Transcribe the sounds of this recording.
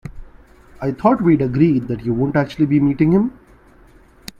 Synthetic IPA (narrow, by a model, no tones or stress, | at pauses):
aɪt̪ʰɔːʈʋiːɖəɡɾiːɖ̚d̪æʈjuːʋõːɳʈæk̚t͡ʃʉəlibimiːʈɪ̃ŋhɪ̃m